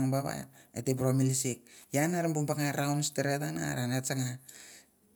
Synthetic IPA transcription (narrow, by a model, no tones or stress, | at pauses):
ŋbaβa̰ḛtepɾomilisik̚janaɾambuŋpaŋajɾawnsteɾetana̰ɾanet͡ʃaŋa